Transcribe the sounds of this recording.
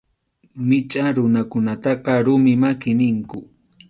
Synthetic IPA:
mɪt͡ʃʼaɾʊnakʊnat̪ɑqɑɾʊmɪmakɪnɪŋkʊ

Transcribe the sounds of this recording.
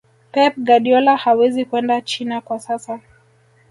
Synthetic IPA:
pɛp̚ɡaɗiɔlahawɛzikwɛndat͡ʃinakwasasa

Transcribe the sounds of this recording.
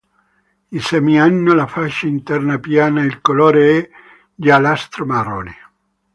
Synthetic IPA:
insɛmianːolafaʃːaint̪ɛrnapjaːnailkolɔːɾeɛ | d͡ʒalast̪ɾomaro̰ːni

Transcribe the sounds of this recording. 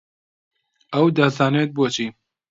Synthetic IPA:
ɐwd̪ɐzaːnet̪̚boːt͡ʃʰiː

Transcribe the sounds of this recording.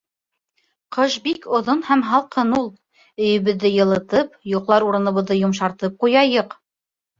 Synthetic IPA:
qʰɤʃbikŏðonhæmɦɑlˠqɤnulˠ | ɵ̆jɵ̆βɘ̆ðːɘjɤ̆lˠɤ̆t̪ɤpjuqlˠɑɾuɾɤ̆nɤ̆βɤ̆ðːɤjŏmʃɑɾt̪ɤp̚qujɑjɤq

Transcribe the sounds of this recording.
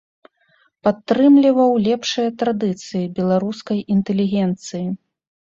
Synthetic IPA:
pat̪ːɾɨmlʲivɐwlʲɛpʂɨjɐt̪ɾad̪ɨt̪sɨjibʲɛlˠaɾuskɐjint̪ɛlʲiɣʲɛnt̪sɨji

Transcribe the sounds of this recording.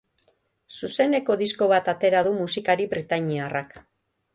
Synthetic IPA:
suse̞ne̞ko̞ðisko̞β̞at̪at̪e̞ɾað̞umusikaɾiβɾit̪aɲiarak

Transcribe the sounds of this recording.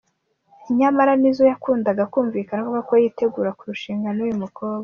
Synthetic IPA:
iɲamaɾanizojakuːndaɡakuːɱviːkanakoβakojiːte̞ɡuːɾakuɾuʃiːŋɡanojumukoːβɡa

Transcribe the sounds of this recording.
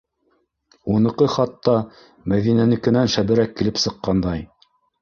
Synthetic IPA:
unɤ̆qɤχɑt̪ːɑ | mæðinænɘ̆kɘ̆nænʃæbɘ̆ɾækːilɘpsɤ̆qːɑnd̪ɑj

